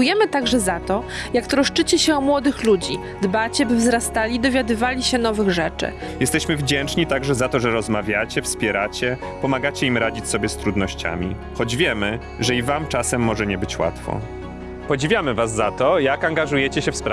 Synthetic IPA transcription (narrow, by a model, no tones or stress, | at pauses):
ujɛmɘt̪aɡʐɛzat̪ɔjakt̪ɾɔʂt͡ʂɘt͡ɕɛɕɛɔmwɔd̪ɘxlud͡ʑi | d̪bat͡ɕɛbɘvzɾast̪alʲid̪ɔvʲjad̪ɘvalʲiɕɛnɔvɘɣʐɛt͡ʂɘ̰ | jɛst̪ɛɕmɘvd͡ʑɛnt͡ʂɲit̪aɡʐɛzat̪ɔʐɛɾɔzmavʲjat͡ɕɛfspʲjɛɾat͡ɕɛ | pɔmaɡat͡ɕɛimɾad͡ʑit͡ɕʲsɔbʲjɛst̪ɾud̪nɔɕt͡ɕa̰mʲḭ | xɔd͡ʑvʲjɛmɘ | ʐɛivamt͡ʂasɛmːɔʐɛɲɛbɘt͡ɕwa̰t̪fɔ̰ | pɔd͡ʑivʲjamɘvazːat̪ɔjakaŋɡaʐujɛt͡ɕɛɕɛfspɾ